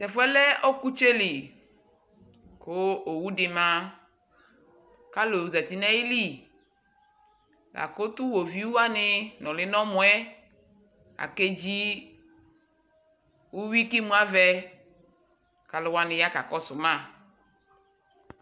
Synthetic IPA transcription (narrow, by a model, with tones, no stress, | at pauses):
tɛ˨fwɛ˦lɛ˦ʔo˦ku˦t͡ʃe˦li˨ | ko˦o˨wu˦dɪ˨mã˦ | ka˦lo˨za˨t̪i˨nɛ̃˦ji˦li˦ | lʔa̰˨ko˦t̪u˦wo˨vi˦wu˦a˦nɪ˦nɔ̃˨lɪ˦nɔ̃˦mɔ̃˦ɛ˦ | a̰˨ke˦d͡ʒi˦ | wu˦wi˦ki˦mũ˦a˦vɛ˦ | ka˨lo˨˦wa˦nɪ̃˨ja˦ka˨kɔ˦sʊ˨mã˦˨